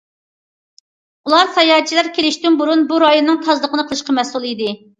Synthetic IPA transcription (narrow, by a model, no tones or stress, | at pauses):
ulˠɑɾsɑjɑːt͡ʃʰilæɾkʲʰelɪʃt̪ynbuɾunbuɾɑjonːɨŋt̪ʰɑzlˠəqʰənɨqʰəlˠɨʃqɑmɛsulˠid̪ɪ